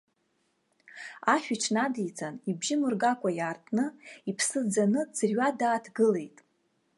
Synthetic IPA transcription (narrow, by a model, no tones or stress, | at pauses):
aχʲᶣiʈ͡ʂʰnadijt͡sʼanibʒimɨrɡakʷʼajaːrtʼnɨipʰsɨd͡zanɨd͡zɨrɥadaːtʰɡɨle̞jtʼ